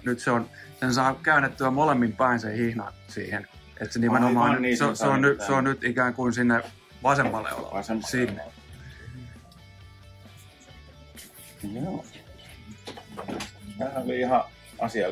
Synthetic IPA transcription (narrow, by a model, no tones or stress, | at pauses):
nyt̪seonsensɑːkkæynːet̪ːyæmolemːimpæinsehihnɑ̰nsḭːhen | ʔet̪senimenomɑːnnnseseonnyseonnyt̪ikæːŋkuinsinːe | ʋɑsemːɑlːḛo̰l̰sinːḛ | joː | tæːhæoliihɑ | ɑsiɑ